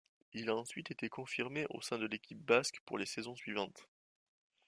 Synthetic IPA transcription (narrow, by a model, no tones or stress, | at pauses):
ilaɑ̃sɥit̪et̪ekɔ̃fiʁmeʔo̰sɛ̃d̪əlekʲʰip̚baskpuʁlesɛzɔ̃sɥivɑ̃t̪